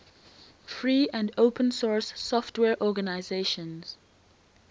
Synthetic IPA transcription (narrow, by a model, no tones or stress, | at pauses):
fɹiːæ̃ndoʊpʰə̃nsɔɹsːɔftwɛːɹʔɔɡənaɪzeʃə̃nz̥